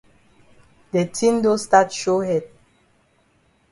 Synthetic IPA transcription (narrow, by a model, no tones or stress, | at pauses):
detʰĩndostatʃohɛd̚